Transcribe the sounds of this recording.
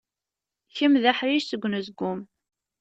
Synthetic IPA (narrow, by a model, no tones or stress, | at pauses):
çəmðaħɾiʃsəɡʷːnəzɡʷːʊm